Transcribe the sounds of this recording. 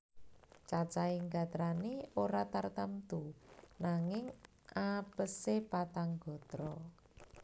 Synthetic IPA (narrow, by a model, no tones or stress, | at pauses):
t͡ʃat͡ʃaiŋɡa̤t̪ɾaneoɾat̪art̪amt̪unaŋɪŋ | apəsepat̪aŋɡ̥ɔ̤t̪ɾɔ